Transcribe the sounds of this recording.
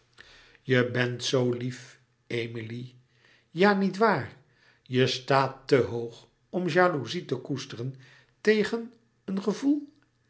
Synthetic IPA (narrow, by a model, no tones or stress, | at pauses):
jəbɛntsowlif | ejmili | jaːnitʋaːr | jəstaːtːəɦowχ | ɔmʒaːluzitəkustərən | tejχən | ənχəvulˠ